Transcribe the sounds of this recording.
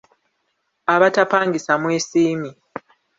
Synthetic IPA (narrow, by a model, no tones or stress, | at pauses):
aβatapaːŋɡisamweːsiːmi